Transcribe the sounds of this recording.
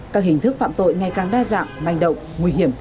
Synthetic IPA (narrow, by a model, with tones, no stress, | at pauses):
kaː˦˥k̚hï˨˩ŋ̟t̪ʰɨ˦˥k̚fa̰ː˧˨mt̪o̰˧˨jŋa˨˩jkaː˨˩ŋɗaː˧za̰ː˧˨mha˨˩jŋ̟ɗə̰˧˨wŋ͡mːwui˧ɦi˧˩əm